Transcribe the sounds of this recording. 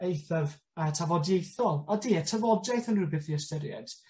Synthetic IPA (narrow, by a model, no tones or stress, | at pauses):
ejθəv | ətʰavɔdjejθɔlˠɔdiːətʰəvɔdd͡ʒɛθənrɨbɪθiəstəɾjɛ̰d̥